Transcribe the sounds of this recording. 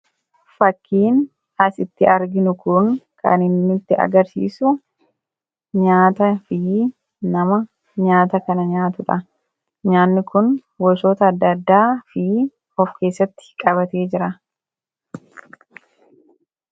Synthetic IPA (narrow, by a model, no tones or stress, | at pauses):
fɐkːiːn | ɐsɪt̪ːɪɐɾɡɪnʊkʊŋkɐ̰nɪnːɪt̪ːɪɐ̰ɡɐɾsḭːsʊ | ɲaːt̪ɐfɪ | nɐmɐ | ɲaːt̪ɐkɐnɐɲaːt̪ʊᶑɐ | ɲaːnːɪkʊn | wɔʃo̞ːt̪ɐːd̪ːɐd̪ːaːfɪ | ɔfke̞ːsːɐt̪ːɪ̥kʼɐβɐt̪e̞ːd͡ʒɪɾɐ